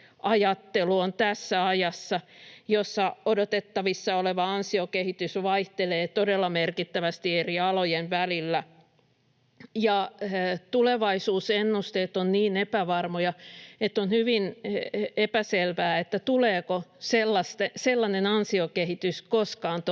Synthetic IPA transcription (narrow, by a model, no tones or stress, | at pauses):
ʔɑjɑt̪ːeluont̪æsːæɑjɑsːɑjosːɑodot̪et̪ːɑʋisːɑoleʋɑɑnsiokehit̪ysʋɑiht̪eleːt̪odelːɑmerkit̪ːæʋæst̪ieriɑlojenʋælilːæ | jɑt̪uleʋɑisuːsenːust̪eːt̪ːonniːnepæʋɑrmojɑet̪ːonhyʋin | epæselʋæːet̪ːæt̪uleːkoselːɑst̪eselːɑnenɑnsiokehit̪yskoskɑːnt̪